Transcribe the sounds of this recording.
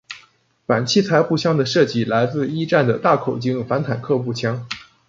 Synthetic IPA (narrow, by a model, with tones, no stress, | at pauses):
fa˨˩nt͡ɕʰi˥˩t͡sʰa˧˥ɪxu˥˩t͡ɕʰjɑ˥ŋd̪ə˨ʂɤ˥˩t͡ɕi˧˥˩la˧˥ɪt͡sɹ̩˥˧i˥ʈ͡ʂa˥˩nd̪ə˩t̪a˥˩kʰo˨˩ʊt͡ɕi˥ŋfa˧˥nt̪ʰa˨˩nkʰɤ˥˧pu˥˩t͡ɕʰjɑ˥ŋ